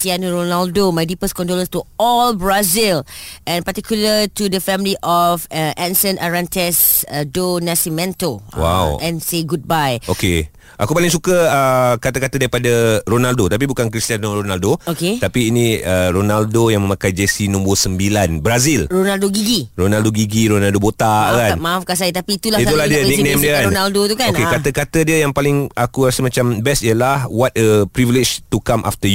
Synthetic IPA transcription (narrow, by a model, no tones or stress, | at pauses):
tiãnɹonaldomajdipəskɔ̃ndoləstuɔlbɹazilɛ̃npatikjulətudəfɛ̃mliʔɔfəɛ̃nsə̃nʔaɹãntɛsdonasimɛ̃ntowa̰wɛ̃nseɡud̚bajoke | ʔa̰kupalɪ̃ŋsukəəkat̪akat̪adaɾipadaɾonaldot̪ap̬ibukankɾist̪ianɾonaldooket̪apiːnĩəɾonaldojaŋmə̃mãkajd͡ʒesinũmbɔsəmbilanbɾazilɾonaldoɡiɡironaldoɡiɡiɾonaldobot̪aʔkanmãafkasait̪apiːt̪ulahit̪uladiənik̚nẽmdiəkanonaldot̪ukaokekat̪əkat̪ədiəjaŋpalɪŋakuɾasəmãt͡ʃambɛstijəlahwɔt̚əpɾivilid͡ʒt̪ukamʔa̰ft̪əju